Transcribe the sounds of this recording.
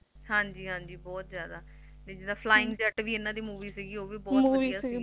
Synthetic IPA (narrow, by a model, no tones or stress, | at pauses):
hãːɲd͡ʒiːɦãːɲd͡ʒiːbɔːt̪zjaːd̪aː | t̪eːd͡ʒɪd̪aːpʰlaːɪ̃ŋɡd͡ʒəʈʋiːɪnãːd̪iːmuːʋiːsiɡiːoːʋiːbɔːt̪ːijaːs